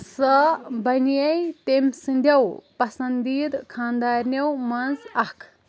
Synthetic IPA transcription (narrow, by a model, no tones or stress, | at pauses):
səbɐnjɐjt̪emsɨ̃nd̪ʱɐwpɐsɐ̃nd̪iːd̪kʰãːnd̪aːɾnɐwmɐnzɐkʰ